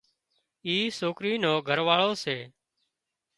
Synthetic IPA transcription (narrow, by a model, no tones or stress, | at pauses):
iːsoːkɾiːnoːɡʱəɾʋaːɭoːseː